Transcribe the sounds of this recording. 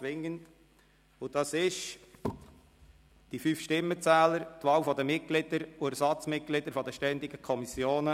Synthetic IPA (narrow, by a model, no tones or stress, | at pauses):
t͡sʋɪŋːənt | ʊd̥ɑsɪʃ | d̥ifyːfʃtɪmːət͡sæːləɾtʋɑːwfɔd̪əmɪt̚ɡ̥lɪd̥əɾʊæɾsɑt͡smɪt̚ɡ̥lɪdəɾfɔdəʃtɛndɪɡəkʰɔmisjoːnə